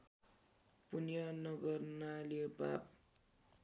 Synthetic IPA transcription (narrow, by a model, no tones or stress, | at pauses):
punjʌnʌɡʌrnalioba̰p̚